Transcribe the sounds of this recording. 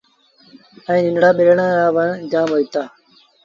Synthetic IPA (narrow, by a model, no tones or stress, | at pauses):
əĩːnɪnɽaːɓɪɾɳãːɾaːʋənd͡ʒaːmɦoit̪aː